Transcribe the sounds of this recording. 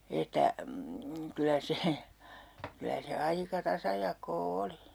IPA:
etːæ kylæ se kylæ se ɑikɑ tɑsɑjɑkˑoː oli

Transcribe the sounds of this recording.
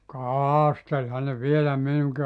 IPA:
kɑːɑstelʲhɑn ne ʋielæ minuŋki

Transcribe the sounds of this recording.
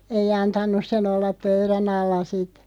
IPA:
ei ɑntɑnˑus sen olːɑp pøyræn ɑlːɑ sit

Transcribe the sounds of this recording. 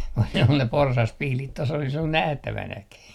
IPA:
ku ne ol ne porsɑspihlit tos olis ol næhtæʋænæki

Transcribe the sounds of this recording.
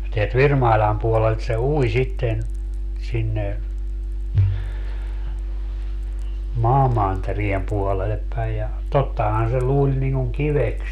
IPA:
teælt ʋirmɑilʲɑˑm puolelt se ui sitːen sinːe mɑːmɑnteriem puolelep pæij jɑ totːɑhɑn se luːlʲ niŋ kuŋ kiʋeks

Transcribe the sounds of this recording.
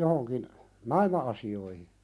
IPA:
johoŋkin nɑimɑɑsioihi

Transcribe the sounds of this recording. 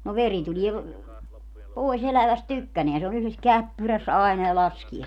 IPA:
no ʋeri tulie poˑis elæʋæst tykːæneæn se on yhles kæpːyræs ɑenɑ jɑ lɑskie

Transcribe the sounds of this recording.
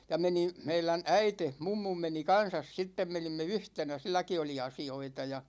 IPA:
jɑ menin̞ meilæn æite mumːum meni kɑn̞sɑs sitːem menimːe yhtenæ silːæki oli ɑsioitɑ jɑ

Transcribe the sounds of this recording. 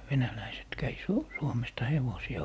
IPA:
ʋenælæiset kæi su suomestɑ heʋosiɑ

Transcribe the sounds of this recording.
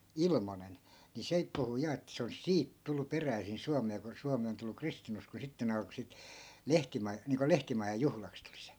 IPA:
ilmonen ni seip puhu jɑ et se olis siːt tulːu peræisin suɑmeː ko suɑmi on tulːu kristinuskoː sitːe ne ɑlko sit lehtimɑ niːŋko lehtimɑjɑj̆ juhlɑks tuli̥ se̥

